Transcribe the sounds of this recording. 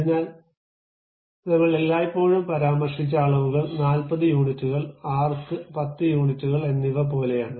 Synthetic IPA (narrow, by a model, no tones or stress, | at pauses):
kɐɾiɲːaːl | nɐŋːɐɭelːaːjipːo̞ːɻumpɐɾaːmɐrʂit͡ɕːaːɭɐmuɣɐɭnaːlpɐðɨjuːɳitːuɣɐɭaːrt̪ːɨpɐt̪ːɨjuːɳitːuɣɐɭe̞nːiʋɐp̬o̞ːle̞jaːɳɨ